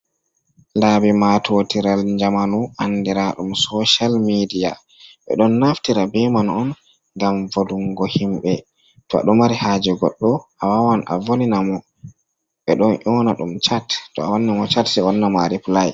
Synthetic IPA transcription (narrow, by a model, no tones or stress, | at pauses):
laːbimatʰotiɾalɲd͡ʒamanuʔandiɾaɗumsɔʃalmidija̰ | ɓɛ̰ɗɔnːaftiɾabɛmanɔn | ŋɡamvoduŋɡɔhimɓɛ | tɔa̰ɗɔmaɾihaːd͡ʒɛɡɔɗːɔʔawawanʔa̰voninamɔ | ɓɛɗɔnʔɔnaɗumt͡ʃattːɔa̰wanːimɔt͡ʃatsɛɔnːamaɾiplaj